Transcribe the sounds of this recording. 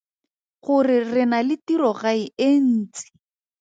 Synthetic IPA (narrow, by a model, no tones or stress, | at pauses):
χʊrɪrɪnalɪtirɔɣaien̩ːt͡sɪ̥